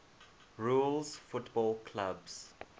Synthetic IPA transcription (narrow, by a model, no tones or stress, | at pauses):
ɹulzfʊtbɔlkʰlabz̥